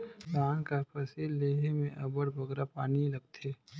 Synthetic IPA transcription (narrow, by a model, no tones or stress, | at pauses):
kaːnkapʰɐsiːlːeːɦemẽʔɐbəɽbʱɐɡɾapaːnilɐɡ̚t̪ʰeː